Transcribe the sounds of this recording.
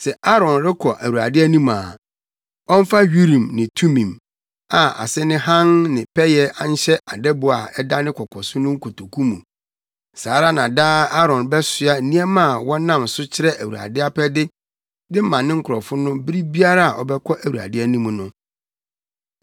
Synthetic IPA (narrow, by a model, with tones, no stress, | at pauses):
sɛ˨ʔa˦ɾɔ̃˨nɾɪ˦kʰɔ˨ʔæ˨wu˨ɾa̰˨dɪ˦æ˦nĩ˦maː˨ | ɔ̃˦m˦fa˦ɥi˦ɾĩ˨mnɪ̃˨tʰu˦mĩ˨m | a˨a̰˨sɛ˦nɪ̃˦hã˦nnɪ̃˨pʰɛ˦jɛ˦ʔa˦n˦ɕɛ˦ʔa˨dɛ˦bʊ˨a̰˨ɛ˦da˦nɪ̃˦kʷʰɔ˨kʰɔ˨sʊ˦nʊ̃˦ŋ̩˦kʰo˨tʰo˨kʰũ˦mũ˨ | saː˨˦ɾa˦nã˨daː˦a˦ɾɔ̃˨nbɛ˦sɪ˦a˦n̩˦nĩ˦ɛ˦mã˦˨wɔ̃˦nã˦˨msʊ˦t͡ɕʰɪ˦ɾɛ˦ʔæ˨wu˨ɾa̰˨dɪ˦a˦pʰɛ˦dɪ˦ | dɪ˦mã˨nːɪ̃˦ŋ̩˦kʰʊ˨ɾɔ˨fʊ˦nʊ̃˦bi˦ɾi˦bi˦a˦ɾa˦a˨ʔɔ˨bɛ˦kʰɔ˦ʔæ˨wu˨ɾa̰˨dɪ˦æ˦nĩ˦m̃˨nʊ̃˦